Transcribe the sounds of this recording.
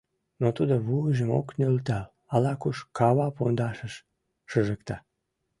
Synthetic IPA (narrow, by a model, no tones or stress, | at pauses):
not̪ud̪oβuʒəmo̰knølt̪ɑ | ɑlɑkuʃkɑβɑpond̪ɑʃəʃ | ʃəʒəkt̪ɑ